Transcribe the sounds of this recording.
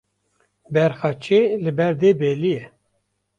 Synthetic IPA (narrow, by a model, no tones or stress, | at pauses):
bɛɾxɑt͡ʃelɨbɛɾd̪eːbeːlijɛ